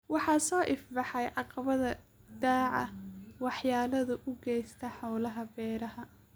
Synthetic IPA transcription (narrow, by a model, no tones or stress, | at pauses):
wɑħɑːsɔːʔɪfbɑħɑjʕɑqɑβɐðɐ | d̪aːʕɐ̰wɑħjaːlɐðʊʔʊɡɛjst̪ʰɐħɔwlɐɦɐbɛːɾɐɦɐ